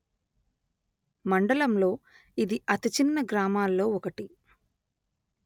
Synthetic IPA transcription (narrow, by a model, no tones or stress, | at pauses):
mɐɳɖɐlɐmlo̞ː | id̪iʔɐt̪it͡ʃinːɐɡɾaːmaːlːo̞ːɔkɐʈi